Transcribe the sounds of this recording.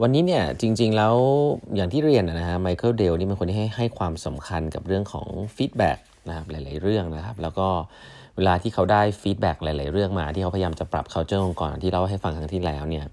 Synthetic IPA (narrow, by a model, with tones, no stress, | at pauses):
wa˧nːiː˦˥ni˥˩ɐt͡ɕi˧ŋt͡ɕi˧ŋlɛː˦˥wjaː˨˩ŋt̪ʰiː˥˩ɾi˧ənːʔa˨˩na˦kʰa˦˥ma˧jkʰɤː˥˩wde˧wniː˦˥˩m˧nkʰwnt̪i˥˩a˥˩jɦa˥˩jkʰwaː˧msa˩˦mkʰa˧nka˨˩p̚ɾɯ˥˩əŋkʰɔ̰ː˩˦ŋfiː˦˥t̪̚bɛ̰ː˨˩k̚ | na˦˥kʰa˦˥p̚laː˨˦jla˨˩˦jɾɯ˥˩əŋna˦˥kʰa˦˥p̚lɛː˦˥wkɔː˥˩ | weː˧laː˧t̪ʰiː˥˩kʰa˦˥wdaː˥˩jfiː˦˥t̪̚bɛː˨˩k̚la˨˩˦jlaː˨˩˦jɾɯ˥˩əŋmaː˧t̪ʰiː˥˩kʰa˦˥pʰjaː˧mt͡ɕa˨˩pɾa̰˨˩p̚kʰa˦˥wt͡ɕɤː˥˩ʔo˧ŋkɔː˨˩na˨nt̪i˥la˥˩ɦa˥˩jfa˧ŋt̪ʰa˦˥ŋt̪ʰiː˥˩lɛː˦˥wni˥˩ɐ